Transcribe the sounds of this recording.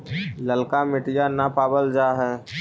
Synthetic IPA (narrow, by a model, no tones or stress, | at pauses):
ləlkamɪʈijanapaːbəld͡ʒaːɦɛː